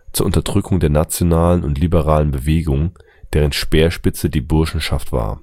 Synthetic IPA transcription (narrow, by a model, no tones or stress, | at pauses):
t͡suːɐʔʊntɐdʁʏkʰʊŋdeːɐnat͡sjonaːlənʊ̰ntlibəʁaːlənbəveːɡʊŋ | d̥eːʁ̞ənʃpeːɐʃpɪt͡sədiːbʊɐʃn̩ʃaftv̥a̰ːɐ